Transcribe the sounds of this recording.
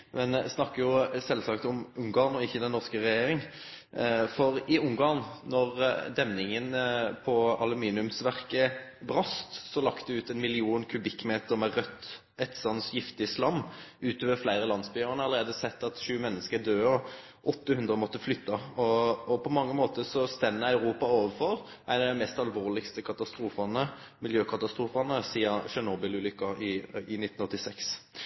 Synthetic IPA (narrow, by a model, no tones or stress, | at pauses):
mɛnsnɑkːəjʊsɛlsɑkt̪ɔmʉŋɡɑːʁnɔɪçːəd̪ɛnːɔʁskəʁɛjeːɾɪŋ | fɔʁɪʊŋɡɑːʁnnɔʁd̪ɛmnɪŋənpʰɔɑlʉmiːnɪʉmsʋæʁkəbʁɑst̪sɔlɑkt̪əd̪ɛʉːt̪ɛnmɪlɪuːnkʰʉbɪkːmeːt̪əʁmɛʁœt̪ː | ɛt̪sɑnsjɪft̪ɪəslɑmːʉːt̪ʰoːʋəɾflæɪʁəlɑnsbyːəʁnəɑləʁeːd̪əsɛt̪ːɑt̪ʃʉːmɛnːəskəɾd̪øːɔ | ʔɔt̪ːəhʉnd̪ʁəmɔt̪ːəflʏt̪ːɑɔɔpʰɔmɑŋːəmoːt̪əsɔst̪ɛnːəæʉɾuːpɑoːʋəfɔʁ | ʔæɪnɑd̪ɛmɛst̪ɑlʋoːʁlɪkst̪əkʰɑt̪ɑst̪ɾuːfɑnə | mɪljøːkʰɑt̪ɑst̪ɾuːfɑnəsiːɑʃɛnoːbɪlʉːlʏkːɑɪɪnɪt̪ːn̩ɔt̪ːɪsɛks